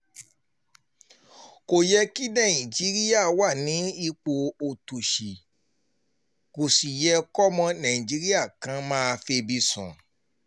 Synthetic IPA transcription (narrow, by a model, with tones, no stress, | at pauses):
ko˨jɛ˧ki˦nã˦˨ĩ˨d͡ʒi˨˦ɾi˦a˦˨wa˦˨nĩ˨˦i˧k͡po˨o˨tu˨ʃi˨ | ko˨si˨jɛ˧kɔ˦mɔ̃˧nã˨ĩ˨d͡ʒi˨˦ɾi˦a˦˨kã˧˦mãː˦a˧fe˧bi˧sɔ̰̃˨